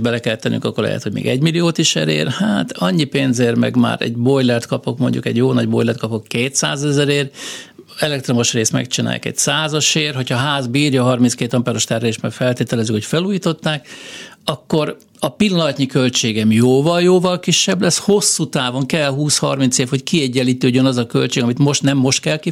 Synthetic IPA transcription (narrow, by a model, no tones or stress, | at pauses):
bɛlɛkɛlt̪ːɛnʔy̰ŋkɒ̰kːorlɛ̰hɛ̰t̪ho̞ɟmḛːɡɛɟmilijoːt̪iʃɛ̰ɾḛːrhaːt̪ɒɲːipeːnzeːrmɛ̰ɡma̰ːɾɛ̰ɟbo̞jlɛrt̪kɒpo̞kmo̞ɲɟṵkɛ̰ɟjoːnɒɟbo̞̰jlɛrt̪kɒpokːeːt̪sa̰ːzɛzɛɾeːr | ɛlɛk̚t̪ro̞mo̞ʃreːst̪mɛ̰k̚t͡ʃina̰ːj̰kɛ̰csaːzɒʃeːrɦo̞cʰhɒɦaːzbiːrjɒːɦɒrminskeːt̪ɒmpɛːɾoʃt̪ɛrɦɛleːʃmɛ̰kfɛlt̪eːt̪ɛlɛzykhocfɛluːjiːt̪o̞t̪ːaːkɒkːo̞ɾ | ɒpilːɒnɒt̪ɲikø̞lt͡ʃeːɡɛmjoːvɒljoːvɒlkiʃːɛblɛsho̞sːut̪aːvo̞ŋkɛlɦuːshɒ̰rmint̪seːfho̞ckiɛɟːɛlːiːt̪øːɟønɒzɒkø̞̰lt͡ʃeːɡɒmit̪mo̞ʃt̪nɛmːo̞ʃt̪̚kɛlki